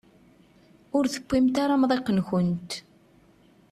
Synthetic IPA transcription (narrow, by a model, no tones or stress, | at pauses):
ʊɾθə̥kʷːimt̪aɾamðˤeqːənçənt̪